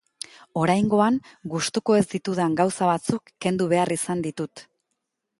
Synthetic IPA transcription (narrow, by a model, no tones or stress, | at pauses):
o̞ɾajŋɡo̞aŋɡust̪uko̞e̞zd̪it̪uðaŋɡawsaβat͡sukːe̞nd̪uβ̞e̞arisand̪it̪ut̪